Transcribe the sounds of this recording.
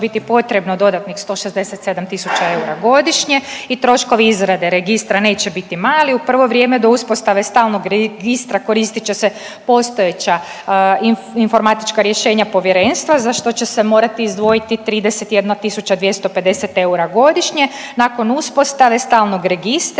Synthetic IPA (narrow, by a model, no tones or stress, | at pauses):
bit̪ipo̞t̪ɾe̞bnod̪o̞d̪at̪nixst̪o̞ːʃezd̪e̞set̪se̞d̪amt̪isut͡ɕae̞uɾaɡo̞d̪iʃɲe̞it̪ɾo̞ʃko̞ʋiizɾad̪e̞ɾe̞ɡist̪ɾane̞ːt͡ɕebit̪imaːliupr̩ʋo̞ʋɾjemed̪o̞uspo̞st̪aʋe̞st̪aːlˠno̞ɡɾeɡist̪ɾako̞ɾist̪it͡ɕe̞se | po̞st̪o̞je̞t͡ɕa | i | info̞ɾmat̪it͡ʃkaɾje̞ʃe̞ːɲapo̞ʋjeɾe̞ːnst̪ʋazaʃt̪o̞t͡ɕesemo̞ːɾat̪iːzd̪ʋo̞jit̪it̪ɾiːd̪ese̞t̪jed̪nat̪isut͡ɕad̪ʋje̞st̪o̞pe̞d̪e̞set̪e̞uɾaɡo̞d̪iʃɲe̞ | nako̞nuspo̞st̪aʋe̞st̪aːlˠno̞ɡɾe̞ɡist̪